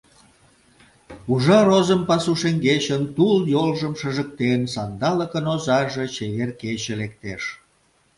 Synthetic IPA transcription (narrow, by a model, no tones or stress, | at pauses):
uʒɑɾozəmpɑsuʃeŋɡet͡ɕənt̪uljolʒəmʃəʒək̚t̪ensɑnd̪ɑləkənozɑʒet͡ɕeβerket͡ɕelek̚t̪eʃ